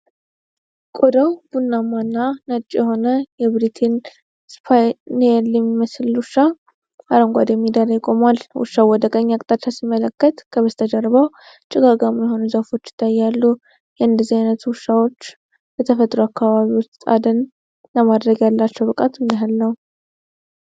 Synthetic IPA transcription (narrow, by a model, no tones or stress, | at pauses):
kʼod̪əwb̥unːamanːanət͡ʃʼjɛho̞nəjɛβɾit̪ʰen | spʰajneljɛmːiməslwʊʃːa | aɾəŋɡʷad̪jɛmːid̪əɾəjkʼo̞malwʊ̰ʃːawɔd̪əkʼəɲːakʼt̪ʼat͡ʃːasimːələkːət̪kʰəβəst̪ʰəd͡ʒəɾβaw | t͡ʃʼɪɡaɡamjɛho̞nuzəfo̞t͡ʃːjɪ̥t̪ʰːajːalːu | jɛɨnd̪əzːihajnət̪ʰuʊʃːawo̞t͡ʃː | bət̪ʰəfət̪ʼɾoakːaβaβiwɔst̪ʼa̰d̪ən | ləmad̪ɾəɡjalːat͡ʃːɛwbɨkʼat̪mɨnəɦɨlnəw